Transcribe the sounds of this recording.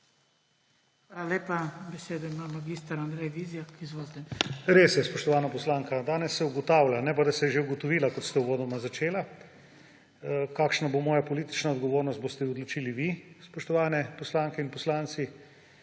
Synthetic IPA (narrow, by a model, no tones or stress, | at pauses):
xʋalaleːpabɛseːd̪ɔimammaɡist̪aɾand̪ɾɛjʋizjakizʋoːzd̪ɛnɾesjɛspɔʃt̪ɔʋaːnapɔslaːŋkad̪aːnɛsːɛuɡɔt̪aːwlʲanɛpad̪ɐsɛjɛʒeuɡot̪ɔʋiːlakɔt̪st̪ɛuʋoːd̪ɔmazat͡ʃeːla | kaːkʃnabomɔːjapoliːt̪i̥t͡ʃnaɔd̪ɡoʋoːɾnɔst̪̚bost̪ɛɔd̪lot͡ʃiːliʋispɔʃt̪ɔʋaːnɛpɔslaŋkɛinpɔslaːnt̪si